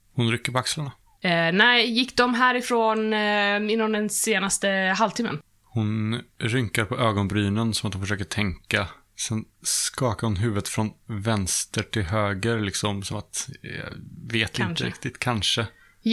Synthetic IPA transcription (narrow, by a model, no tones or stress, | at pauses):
hʊnɾʏkːəɾpɔakslaɳa | nɛɪjɪkːd̪ɔmɦæːɾɪfɾoːnɪnːɔmd̪ɛnseːnast̪əɦalt̪ʰɪmːə̰n | hʊnɾʏŋkaɾpʰɔʔøːɡɔnbɾyːnənsɔmat̪hʊmfəʂøːkəʈʰɛŋka | sɛnskɑːkaɾhʊnɦʉ̟ːvət̪fɾɔnvɛnst̪əʈʰɪlɦøːɡəɾlɪksɔmsɔmat̪jɑ̰veːt̪ɪnəɾɪk̚t̪ɪt̪kʰanʂə